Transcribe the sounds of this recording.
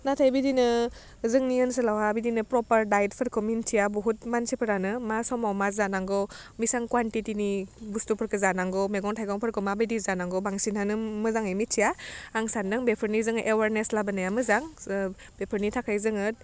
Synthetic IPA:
natʰajbidinɯ | zɯŋniɯns̬ɯlawabidinɯpɾɔpəɾdajt̚pʰɯɾkʰomintʰijabɔɦut̚mansipʰɯɾanɯmasɔmawmazanaŋɡɔmisaŋkwantitinibustupʰɯɾkʰɯzanaŋɡɔmeɡɔŋtʰajɡɔŋpʰɯɾkʰɯmabijdizanaŋɡɔbaŋsinanɯmɯzaŋɯjmitʰijaːŋsandɯŋbepʰɯɾnizɯŋʔewaɾneslabɯnajamɯzaŋ | b̥epʰɯɾnitʰakʰajzɯŋɯt̚

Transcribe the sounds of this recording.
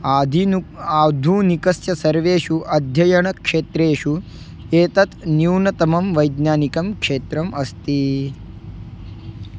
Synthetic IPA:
aːd̪ʱiaːd̪ʱuːnikɐsjɐsɐɾʋeːʃuʔɐd̪ʱjɐjɐɳ̃ɐkʂeːt̪ɾeːʃu | eːt̪ɐt̪njiwnɐt̪ɐmɐmʋɐjd̪naːnikɐmkʂeːt̪ɾɐmʔɐst̪i

